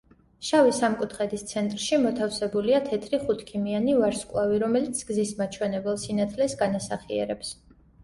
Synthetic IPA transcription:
ʃavisamkʼut̪ʰχɛd̪ist̪sʰɛnt̪ʼɾʃimɔt̪ʰafsɛbuliat̪ʰɛt̪ʰɾiχut̪ʰkʰimianivaɾskʼwlˠaviɾɔmɛlit̪sʰɡzismat͡ʃʰwɛnɛbɛlˠsinat̪ʰlɛsɡanasaχiɛ̰ɾɛps

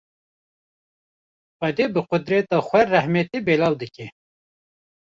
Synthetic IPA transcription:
xɛd̪eːbɨqʊd̪ɾɛt̪ɑːxʷɛrɛhmɛt̪ebeːlɑːwd̪ɨkɛ

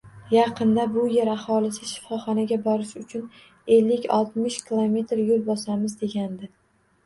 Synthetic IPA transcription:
jɑqʰɨnd̪abʊje̞ɾahɒlɪsɪʃɪ̥fɒχɒnaɡʲabɒɾɪʃʊt͡ʃʰʊn | e̞lːɪkʲɒ̰lˠt̪mɪʃkʲɪlˠome̞t̪ɾjolˠbɒsamɪzd̪e̞ɡʲand̪ɪ

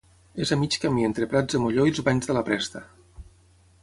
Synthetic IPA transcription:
ezamit͡ʃkamient̪ɾepɾad͡zðəmoʎoilˠzβaɲzðəlapɾɛst̪ə

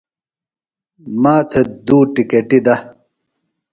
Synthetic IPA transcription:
maːt̪ʰed̪uːʈikeʈid̪ɐ

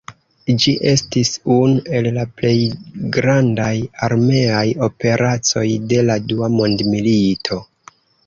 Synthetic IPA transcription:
d͡ʒiʔe̞stisunue̞llaple̞jɡɾandajaɾme̞ajo̞pe̞ɾʔat͡so̞jde̞laduamo̞ndmilitʰo̞

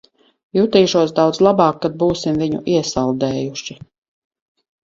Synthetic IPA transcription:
juːt̪iːʃuɔsd̪awd̪zlˠabɑːkːad̪̚buːsimviɲṵʔiɛsalˠd̪ɛːjuʃi

